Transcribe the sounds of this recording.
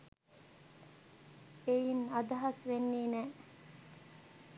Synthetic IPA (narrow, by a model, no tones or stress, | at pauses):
ejinad̪ɐɦɐsʋenːiːnɛː